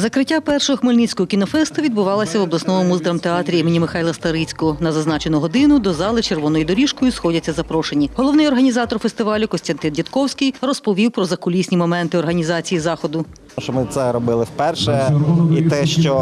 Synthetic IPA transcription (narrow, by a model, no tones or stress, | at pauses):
zɐkɾɪtʲːapɛrʃɔɦɔxmɔlʲnit͡sʲkɔɦɔkʲinɔfɛst̪ʊʋʲid̪bʊʋɑlˠɐsʲɐʋɔblˠɐsnɔmʊmuzd̪ɐɾɐmt̪eɑt̪ɾʲiimɪnʲimɪxɑjlˠɐst̪ɐɾit͡sʲkɔɔnɐzɐznɑt͡ʃenʊɦɔd̪ɪnʊd̪ɔzɑlˠɪt͡ʃerʋɔnɔjʊd̪ɔɾʲiʃkɔjʊsxɔdʲɐt͡sʲːɐzɐpɾɔʃenʲiɦɔlˠɔwnɪjɔrɦɐnʲizɑt̪ɔrfest̪ɪʋɑlʲʊkɔsʲt̪ɐnt̪ɪndʲit̪kɔwsʲkʲɪjrɔspɔʋʲiwpɾɔzɐkʊlʲisʲnʲimɔmɛnt̪ɪɔrɦɐnʲizɑt͡sʲijizɑxɔd̪ʊ | ʃɔmɪt̪sɛɾɔbɪlˠɪwpɛrʃɛit̪ɛʃt͡ʃɔ